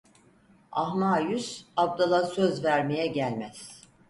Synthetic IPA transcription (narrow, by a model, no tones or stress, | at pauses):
aɦmaːjysab̚d̪alˠasøzvæɾmejɛɟælʲmæz̥